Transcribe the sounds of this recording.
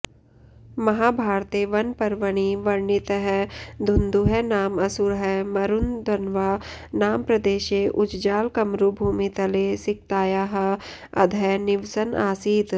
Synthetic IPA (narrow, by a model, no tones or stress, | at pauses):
mɐɦaːbʱaːɾt̪eʋɐnpɐɾʋəɽ̃iʋɐɾnɪt̪ɦɛd̪ʱʊnd̪uɦɛnaːmɐsuɾɦɛmɐɾʊnd̪ɐnʋaːnaːmpɾɐd̪eːʃeʔʊd͡ʒd͡ʒaːlkɐmɾubʱuːmit̪ɐlesɪk̚t̪aːjaːɦ | ɐ̰d̪ʱɛnɪʋsəna̰ːsiːt̪